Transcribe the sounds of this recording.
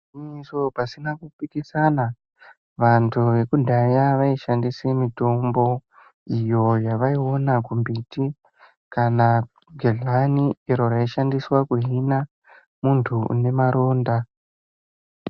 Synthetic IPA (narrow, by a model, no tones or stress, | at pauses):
iisopasinakupikisana | ʋantʰuʋe̞kudʱajaʋaiʃandisimito̞mbo̞ | ijo̞jaʋaiwo̞nakumbiːti | kana | ɡʱeɮanieɾo̞ɾaiʃandiswakuɦina | muntʰune̞maɾo̞ːnda